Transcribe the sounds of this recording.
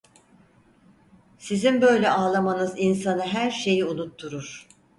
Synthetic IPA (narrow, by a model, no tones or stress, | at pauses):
sizimbø̞jlʲɛʔaːlˠamanɯzinsanɯɦæɾʃe̞jiunut̪ʰːuɾuɾ̥